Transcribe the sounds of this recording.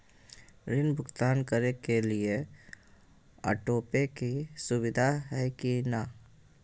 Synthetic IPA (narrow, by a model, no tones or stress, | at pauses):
ɾɪnbʱʊɡt̪aːnkəɾekelie | ə̰ʈoːpekisʊwɪd̪ʱaɦɛkina